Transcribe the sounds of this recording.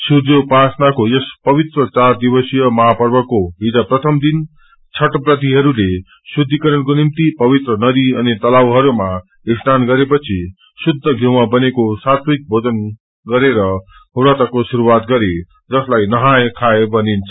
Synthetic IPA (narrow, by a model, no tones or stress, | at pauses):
suɾopasnakojespʌβit̪rʌt͡sard̪ibʌsijʌmʌɦapʌrbʌkoɦid͡zaprʌt̪ʰʌmd̪in | t͡sʰʌʈprʌt̪iɦʌɾule | sud̪ʱːikʌɾʌnkonimt̪ipʌβit̪rʌnʌd̪iʌnit̪ʌlawɦʌɾuma | isnanɡʌɾepʌt͡sʰi | sud̪ʱːʌɡʱjomabʌnekosat̪ʰik̚bʱod͡zʌn | ɡʌɾeɾʌ | uɾat̪akosuɾuwat̪ɡʌɾe | d͡zʌslajnʌɦajkʰaebʌnint͡sʰʌ